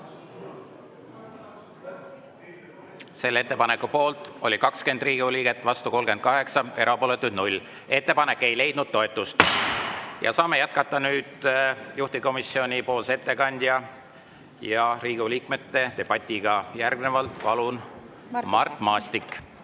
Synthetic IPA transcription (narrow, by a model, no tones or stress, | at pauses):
se̞lːe̞t̪ːˑepɑne̞kːupo̞ːlt̪ˑo̞lʲikɑkske̞nd̪riːɡ̥uliːɡe̞t̪ːˑvɑst̪uko̞lɡ̥e̞n̚kɑɦe̞ksɑe̞ɾɑpo̞ːle̞t̪ːˑud̪̥nulʲ | e̞t̪ːe̞pɑne̞kːe̞jle̞jd̪̥nud̪̥̚t̪ːo̞et̪ːˑust̪ | jɑ̰sɑːme̞jæt̪̚kɑt̪ːɑnyːd̪̥juht̪iko̞misio̞nʲipo̞ːlse̞t̪ːe̞kɑnʲd̪̥jɑ | jɑriːɡ̥uliːkme̞t̪ːe̞t̪e̞b̥ɑt̪ʲːˑiɡ̥ɑjærɡne̞vɑlt̪pɑlun | mɑrt̪ːˑmɑːst̪ikː